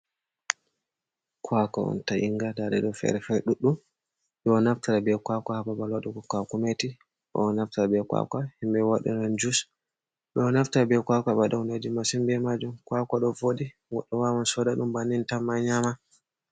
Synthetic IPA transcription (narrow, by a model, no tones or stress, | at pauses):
kʰwaka̰ɔ̰ntaʔiŋɡadadɛɗɔfɛ̰ɾɛfɛɗuɗːum | ɗɔnaftaɾabɛkwakahababalwaɗɔɡɔkakumeti | ɗɔ̰naftaɾabɛkwa̰kahimbɛwaɗɔ̰nɔnd͡ʒus | ɗɔnaftaɾabɛkwakabadawnod͡ʒimasimbɛmad͡ʒumkwakaɗɔvoɗi | wɔɗːɔwawansɔdaɗumbanːintamːaɲama